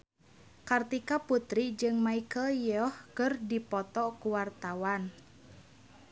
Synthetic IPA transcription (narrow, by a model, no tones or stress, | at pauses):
kart̪ikaput̪ɾid͡ʒɨŋmaikəljɔhkɨrdipɔt̪ɔkuwart̪awan